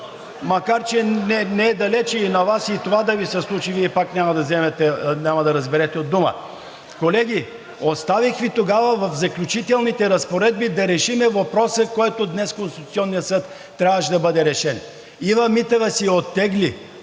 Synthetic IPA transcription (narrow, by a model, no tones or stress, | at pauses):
mɐkaɾt͡ʃɛnɛnɛɛd̪ɐlɛt͡ʃɛinɐvasit̪ovad̪ɐvisɛslˠut͡ʃiviɛpaknʲamɐd̪ɐzɛmɛt̪ɛnʲamɐd̪ɐɾɐzbɛɾɛt̪ɛod̪ːumə̰ | kolɛɡʲi | ost̪avixvit̪oɡavəvɐfzɐklʲut͡ʃit̪ɛlˠnit̪ɛɾɐspoɾɛd̪̚bid̪ɐɾɛʃimɛvɐpɾɔsəkɔjt̪od̪nɛskonst̪it̪ʊt̪siɔnːijəsɤt̪ːɾʲavəʃd̪ɐbɤd̪ɛɾɛʃɛn | ivɐmit̪əvəsiot̪ːɛɡli